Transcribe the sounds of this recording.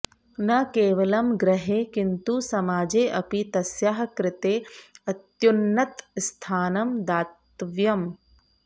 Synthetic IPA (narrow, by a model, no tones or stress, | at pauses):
nɐkeːʋɐlɐmɡɾɐɦeːkint̪usɐmaːd͡ʒeːʔɐpit̪ɐsjaɦɐkɾɪt̪eːɐt̪junːɐt̪st̪ʰaːnɐmd̪aːt̪ʋjɐm